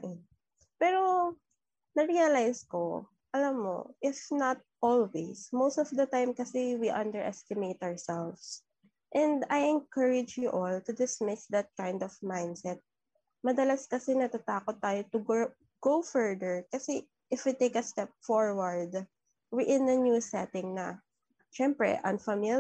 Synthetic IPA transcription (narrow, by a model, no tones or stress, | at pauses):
ʔɪn | pɛːɾo | nɐɾiɐlajsko | ʔɐlɐmːo̰ʔɪfnat̪̚ʔɔlwesmowst̪ɔfd̪ɐt̪ãjmkɐsɛwiʔɐ̃nd̪ɛɹʔɛst̪ɪmejt̪awɹsɛlfs | ʔɛ̃nd̪ajɛ̃nkɐɹɪd͡ʒjuʔɔlt̪ʊd̪ɪsmɪsd̪ɐt̪̚kãjnd̪ɔvmãjnd̪sɛt̪̚ | mɐd̪ɐlaskɐsɛnɐt̪at̪aːkɔt̪ːaːjot̪ʊɡo | ɡ̥owfɛɹd̪ɛɹkɐsɛ | ʔɪfwit̪ejkɐst̪ɛp̚fɔɹwɐɹd̪ | wɪʔɪ̃nɐnjusɛt̪ɪ̃ŋnɐ | ʃɛmpɹɛ̰ʔɐ̰̃nfɐmɪ